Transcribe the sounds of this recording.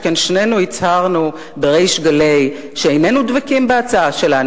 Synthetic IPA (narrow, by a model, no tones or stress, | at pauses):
kenʃnenuit͡shaʁnu | beʁejʃɡale̞j | ʃeejnenud̪vakimbeat͡saaʃelan